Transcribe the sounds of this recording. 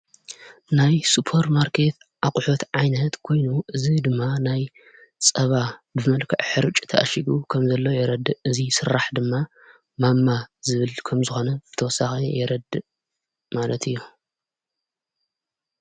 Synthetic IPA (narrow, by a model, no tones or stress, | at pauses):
najsupʰoɾmaɾkʰe̞t̪ | ʕakʼħot̪ʕajnɐt̪kʰo̞jnuʔɨzid̪ɨmːanaj | t͡sʼɐβabɨmɐlkʰɐʕħɨɾɨt͡ʃʼt̪ʰɐʔɐ̰ʃiɡukʰɐmzɐlːojɛɾɐd̪ɨɨzisɨɾːaħd̪ɨmːa | mamːazɨβɨlkʰɐmzɨxo̞nɐzɨt̪ʰɐwɔsːaxijɛɾɐd̪ɨ | malɐt̪ʰɨjːu